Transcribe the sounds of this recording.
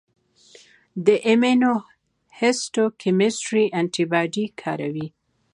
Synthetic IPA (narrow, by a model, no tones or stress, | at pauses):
d̪əʔemeno | hesʈokʰɪmɪsʈɾiʔaɳʈibɑɖikʰɑɾawi